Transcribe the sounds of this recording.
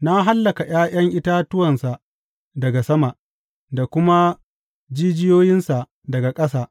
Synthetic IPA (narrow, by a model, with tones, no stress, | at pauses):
na˦ɦa˦lːɐ˨ka˨j̰aː˦j̰ɐ˦ŋʔɪ˦ta˦tʊ˦wɐ˨nsa˨ | dɐ˨ɡa˨sɐ˦ma˨ʔ | da˨kʷʊ˦ma˦ | d͡ʒiː˦d͡ʒɪ˦joː˦jɪ˦nsa˨ʔ | dɐ˨ɡa˨kʼɐ˦saː˦ʔ